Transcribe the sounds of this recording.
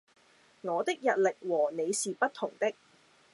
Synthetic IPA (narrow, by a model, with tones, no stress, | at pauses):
ŋɔː˨˧t̪ɪ˥k̚jɐ˨t̚lɪ˨k̚wɔː˨˩ne˨˧jsiː˨pɐ˥t̚t̪ʰʊ˨˩ŋt̪ɪ˥k̚